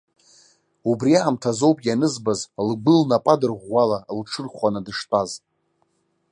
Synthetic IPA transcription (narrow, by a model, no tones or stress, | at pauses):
ubriaːmtʰazo̞wpʼjanɨzbazlɡ͡bɨlnapʼadɨrʁʷalalʈ͡ʂʰɨrχʷanadɨʂtʼaz